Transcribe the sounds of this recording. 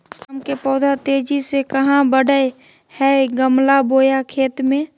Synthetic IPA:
mkepɔːd̪ʱat̪eːd͡ʒisekəɦãbəɽəe | hɛɡəmlaboːjakʰeːt̪mẽ

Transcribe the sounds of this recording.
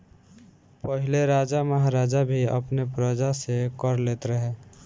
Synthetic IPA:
pəɦɪleɾaːd͡ʒaməɦaɾaːd͡ʒabʱiə̰pnepɾəd͡ʒasekəɾleːt̪ɾəɦe

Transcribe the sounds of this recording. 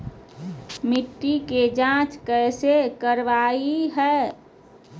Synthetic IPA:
miʈːiked͡ʒãt͡ʃkɛɪsekəɾʋaiɦɛː

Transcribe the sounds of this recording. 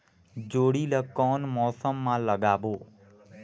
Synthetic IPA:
d͡ʒoːɽiːləkɔːnmɔːsəmːãːləɠaːboː

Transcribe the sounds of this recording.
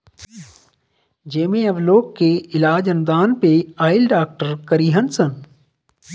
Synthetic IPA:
d͡ʒeːmẽɐʋloːkkeɪlaːd͡ʒɐnd̪aːnpeaːɪlɖaːk̚ʈəɾkɐɾiːɦənsən

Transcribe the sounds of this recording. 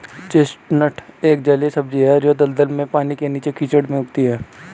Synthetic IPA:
t͡ʃeːsʈnəʈʰeːk̚d͡ʒɐlesɐbd͡ʒiɦɛɾjod̪əld̪əlmẽpaːnikeniːt͡ʃekiːt͡ʃəɽmẽʊɡt̪iɦɛː

